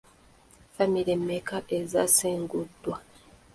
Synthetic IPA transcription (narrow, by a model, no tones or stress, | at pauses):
famiɾemːekaʔezaseːŋɡudːwa